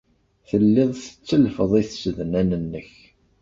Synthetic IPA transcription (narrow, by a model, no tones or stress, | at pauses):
θəlːeðˤθə̥t͡sːəlfəðˤiθsəðnænənːəç